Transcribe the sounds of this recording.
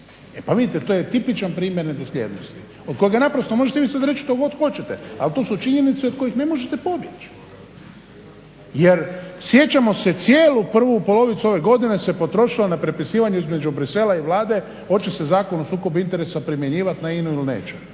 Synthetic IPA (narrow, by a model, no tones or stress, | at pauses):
epaʋid̪it̪et̪ojet̪ipit͡ʃanpɾiːmjeɾned̪oslʲḛːd̪nost̪i | o̞d̪ko̞jeɡanapɾost̪omo̞ʒet̪eʋiːsad̪ɾe̞t͡ʃʃt̪oɡo̞d̪xo̞t͡ʃet̪ea̰lt̪o̞ːsut͡ʃiɲe̞nit̪seod̪̥̚ko̞jixne̞mo̞ʒet̪epo̞bjet͡ʃ | jeɾsje̞t͡ɕamo̞set̪sjeːlupr̩ʋupo̞lo̞ʋit̪suo̞ʋe̞ɡo̞d̪inese̞po̞t̪ɾo̞ʃilonapɾepisiːʋaɲuizme̞d͡ʒubɾise̞laiʋlaːd̪e̞ | o̞t͡ʃese̞zaːkonosuːko̞bint̪eɾesapɾimjeɲiːʋat̪nainuilnḛːt͡ʃe